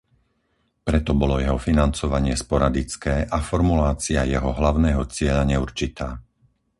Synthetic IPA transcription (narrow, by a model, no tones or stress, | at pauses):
pɾɛt̪ɔbɔlɔjɛɦɔfinant͡sɔʋaɲɪɛspɔɾad̪it͡skɛːʔafɔɾmulaːt͡siajɛɦɔɦlaʊnɛːɦɔt͡sɪɛʎaɲɛuɾt͡ʃit̪aː